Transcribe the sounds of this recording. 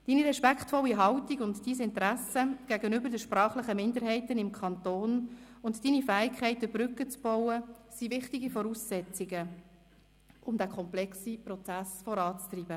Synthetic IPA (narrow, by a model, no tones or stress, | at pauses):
d̥iːniɾɛʃpækχtfɔlːiɦɑwtiɡʊntd̥iːsɪntɾæsəɡ̥æɡənʏbəɾdəʃpɾɑːχləχəmɪndəɾɦɛɪtənɪmkʰɑntoːn | ʊntd̥iːnifæːɪkʰɛɪtəb̥rʏkːət͡sb̥ɔwəsivɪχtiɡifɔɾuːsːɛt͡siɡə | ʊmdækʰɔmplɛksipɾɔt͡sæsfɔɾɑːt͡st̪riːb̥ə